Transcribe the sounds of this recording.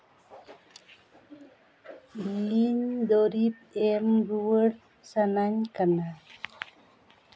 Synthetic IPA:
liɲd̪oɾip̚ɛmɾuwər | sanaɲkana

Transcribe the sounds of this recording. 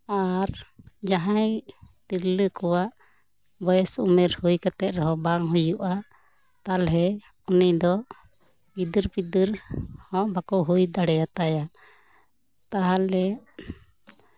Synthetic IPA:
aɾd͡ʒaɦãjt̪iɾləkɔwaʔ | bɔjɛsumɛɾhujkat̪ɛt̪̚ɾɛɦɔbaŋɦujuʔa | t̪alɦɛ | ɔnəjd̪ɔ | id̪iɾpid̪iɾhɔ̃ʔbakɔɦujd̪aɽɛjat̪aja | t̪aɦalɛ

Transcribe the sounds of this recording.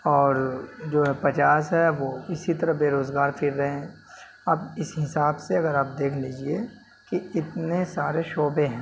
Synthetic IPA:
ɔːɾd͡ʒoːɦɛpɐt͡ʃaːsɦɛʋoːɪsit̪ɐɾəbeːɾoːzɡaːɾfʰɪɾːɐɦeɦɛ̃ː | aːbɪsɦɪsaːbseɐɡəɾaːp̚d̪eːkʰliːd͡ʒie | kiɪt̪nesaːɾeʃoːbeɦɛ̃ː

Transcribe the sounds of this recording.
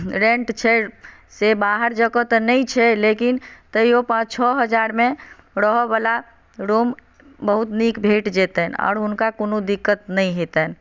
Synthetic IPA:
ɾẽɳʈt͡ʃʰɛ | sebaɦəɾd͡ʒəkət̪nəjt͡ʃʰɛlekint̪əiopãt͡ʃt͡ʃʰɔɦəd͡ʒaɾmẽ | ɾəɦɔbala | ɾom | bəɦut̪nikbʱeʈd͡ʒet̪ənɔ̰ːɾɦunkakonod̪ikːət̪nəjɦet̪ən

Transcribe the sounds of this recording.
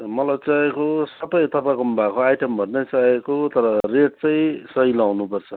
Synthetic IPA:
mʌlajt͡saekosʌbʌjt̪ʌpãkombakoajʈembʱʌnnʌjt͡saekot̪ʌɾʌreʈ̚t͡sʌj̃sʌjlawnupʌrt͡sʰʌ

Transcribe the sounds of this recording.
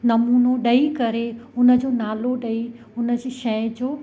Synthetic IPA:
nɐmuːnoɗɐikɐɾeʊnə̆d͡ʑoːnaːloɗɐi | ʊnə̆d͡ʑiʃɐ̃jd͡ʑoː

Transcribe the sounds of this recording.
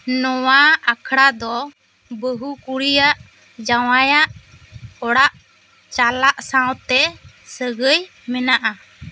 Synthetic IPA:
nɔwaakʰɽad̪ɔ | bəɦukuɽijaʔ | d͡ʒawajaʔ | ɔɽaʔ | t͡ʃalaʔsãwt̪ɛ | səɡəj | mɛnaʔa

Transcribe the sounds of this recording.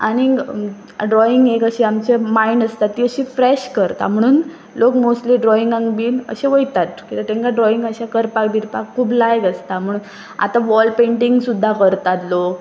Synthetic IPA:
a̰ɽ̃i | ɖɾɔiŋɡekəɕiamt͡ɕemainəst̪at̪ːiəɕifɾeɕkəɾt̪a̰m̤əɽ̃uːn | lokmosʈliːɖɾɔiŋɡãŋɡbiːnə̰ɕeʋəjt̪at̪kit̪eʈ̪ẽŋkaɖɾɔiŋɡəɕakəɾpakb̪ʱiɾpakʰːuːblajɡəst̪am̤əɽ̃uːn | a̰t̪aʋɔlpẽɳʈiŋɡsud̪ʱːakəɾt̪at̪lok

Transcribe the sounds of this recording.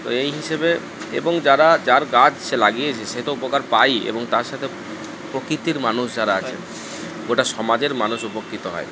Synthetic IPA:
t̪o̰ejɦiʃebe | ḛboŋd͡ʑaɾad͡ʑaɾɡad͡ʑʃelaɡiet͡ɕʰeʃeɦt̪oupokaɾpajḛboŋt̪aɾʃat̪ʰe | pɾokɾit̪iɾmanuʃd͡ʑaɾaat͡ɕʰe | ɡoʈaʃɔmad͡ʑeɾmanuʃupokʰːit̪oɦɔ̰e

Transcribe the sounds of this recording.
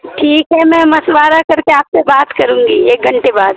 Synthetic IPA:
ʈʰiːkɦɛmɛ̃ːmɐsʋaːɾakɐɾkeaːpsebaːt̪kɐɾũːŋɡieːk̚ɡʱɐɳʈebaːd̪̚

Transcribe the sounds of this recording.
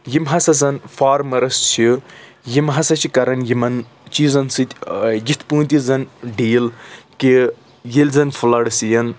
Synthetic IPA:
jimɦɐsɐzɐnfaːɾmɐɾɐst͡ʃʰi | jimɦɐsɐt͡ʃʰikɐɾɐnjimɐn | t͡ʃiːzɐnsɨt̪ʲjit̪ʰpũːnt̪ʲizɐnɖiːlki | jelʲzɐnfʰulɐɽsijɐn

